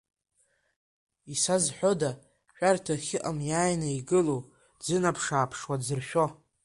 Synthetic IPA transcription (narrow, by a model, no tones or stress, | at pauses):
isazħʷᶣo̞da | ʃᶣartʰaχʲɪʔamjaːjnaiɡɨlow | d͡zɨnapʰʂaːpʰʂwad͡zɨrʃᶣo̞